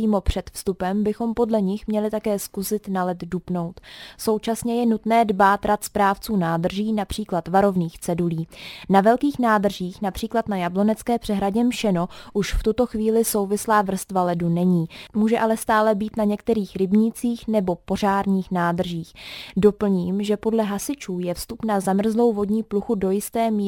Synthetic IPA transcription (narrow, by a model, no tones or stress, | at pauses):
iːmo̞pr̝̥ɛt̪fst̪upɛmbɪxo̞mpo̞dlɛɲɪxmɲɛlɪt̪akɛːskusɪt̪nalɛt̪dupno̞wt̪so̞wt͡ʃasɲɛjɛnut̪nɛːdbaːt̪ɾat̪spɾaːft͡suːnaːd̪r̩ʒiːnapr̝̥iːklat̪vaɾo̞vniːxt͡sɛduliːnavɛlkiːxnaːd̪r̩ʒiːxnapr̝̥iːklat̪najablo̞nɛt͡skɛːpr̥ɛɦɾaɟɛmʃɛno̞ʔuʃft̪ut̪o̞xviːlɪso̞wvɪslaːvr̩st̪valɛdunɛɲiːmuːʒɛʔalɛst̪aːlɛbiːt̪naɲɛkt̪ɛɾiːxɾɪbɲit͡siːxnɛbo̞po̞r̝aːɾɲiːxnaːd̪r̩ʒiːxdo̞pl̩ɲiːmʒɛpo̞dlɛɦasɪt͡ʃuːjɛfst̪upnazamr̩zlo̞wvo̞dɲiːpluxudo̞jɪst̪ɛːmiː